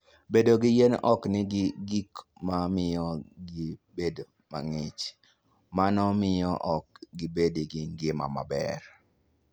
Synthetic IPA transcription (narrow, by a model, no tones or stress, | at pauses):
bedoɡɪjenɔknɪɡɪɡikmamɪjɔɡɪbedo | ma̰ŋɪt͡ʃ | manɔmɪjɔʔɔk̚ɡɪbediɡɪŋɡɪma̰ma̰bɛ̰r